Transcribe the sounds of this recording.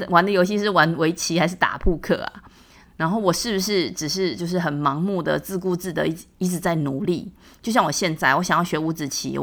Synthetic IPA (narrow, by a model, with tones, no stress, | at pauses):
ə˨wa˧˥nd̪ə˨jo˧ʊɕ̬i˥˧ʂ̬ɻ̩˥˩wa˧˦˥nwe˧˥ɪt͡ɕʰi˧˥xa˧˥ɪʂɻ̩˥˩t̪a̰˨˩pʰu˥˧kʰɤ̰˨˩a̰˨˩ | na˧˥nxo˥˩ʊwɔ˨˩ʂɻ̩˥˩bu˩ʂ̬ɻ̩˥˩ʈ͡ʂɻ̩˨˩ʂ̬ɻ̩˥˧t͡ɕjo˥˧ʊʂ̬ɻ̩˥˩xə˨˩nmɑ˧˦ŋmu˥˩d̪ə̰˨˩t͡sɹ̩˥˧k̬u˥˧t͡sɹ̩˥˩d̪ə̰˨i˥i˧˥ʈ͡ʂɻ̩˨˩t͡sa˥˩ɪnu˨˦lḭ˥˩ | t͡ɕjo˥˧ʊɕjɑ˥˩ŋwɔ˨˩ɕjɛ˥˧nt͡sa˥˩ɪwɔ˧˥ɕjɑ˨ŋjɑ˥˩ʊɕɥɛ˧˥u˧˥t͡sɹ̩˨˩t͡ɕʰḭ˧˥